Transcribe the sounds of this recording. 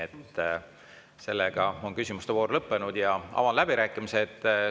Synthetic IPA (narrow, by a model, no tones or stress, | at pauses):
et̪ː | se̞lːeɡ̥ɑo̞nkysʲimust̪evoːɾlɤpːe̞nud̪̥jɑɑ̰vɑnlæb̥iɾæːkːˑimise̞t̪ːˑ